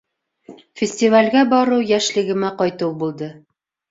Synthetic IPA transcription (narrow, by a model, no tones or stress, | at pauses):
fʲɪsʲt̪ʲivalʲɡæbɒɾɤwjæʃlɘ̆ɡɘ̆mæqɒjt̪ɤwbulˠd̪ɤ